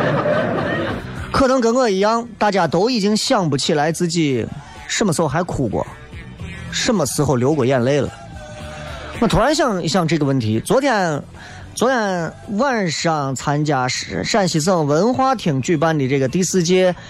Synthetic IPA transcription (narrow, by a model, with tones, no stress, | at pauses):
kʰɤ˥˩nɤ˧˥ŋkə˧˥nŋɤ˥˩i˧˥˩jɑ˥ŋt̪a˥˩t͡ɕja˥t̪o˥ʊi˨˩t͡ɕi˥ŋɕjɑ˥˩ŋpu˧˩t͡ɕʰi˨˩la˧˥ɪt͡sɹ̩˥˩t͡ɕi˥˩ | ʈ͡ʂmə˩sɹ̩˧˥xo˥˩xa˧˥ɪkʰu˨˩kwɔ̰˩ | ʂə˥˩mə˩sɹ̩˧˥xo˥˩ʊljo˧˥ʊkwɔ˨˩jɛ˥˧nle˥˩ɪlə̰˩ | na˥˩t̪ʰu˧˥ɻa˧˥nɕjɑ˥˧ŋ˧ɕjɑ˥˧ŋʈ͡ʂɤ˥˩ɡə˩wə˥˩nt̪ʰi˧˥t͡swɔ˧˥t̪ʰjɛ˥˩n | t͡swɔ˧˥t̪ʰjɛ˥˩nwa˥˧nʂɑ˥˩ŋt͡sʰa˥nt͡ɕja˥ʂa˥˩nɕi˧˥s̬ɤ˥˩ŋwə˧˥nxwa˥t̪ʰi˨˩ŋt͡ɕy˥˩pa˥nli˨˩ʈ͡ʂɤ˥˩ɡə˩t̪i˥˧sɹ̩˥˩t͡ɕjɛ˥